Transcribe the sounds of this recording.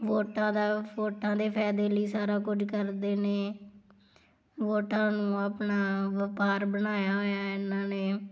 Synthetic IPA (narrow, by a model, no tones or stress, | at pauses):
ʋoːʈãːd̪aːʋoːʈʰãːd̪eːpʰɛːd̪eːliːsaːɾaːkʊd͡ʒkəɾd̪eːneː | ʋoːʈʰãːnũːaːpnaːʋəpaːɾbənaːjaːɦoːjaːɪnãːneː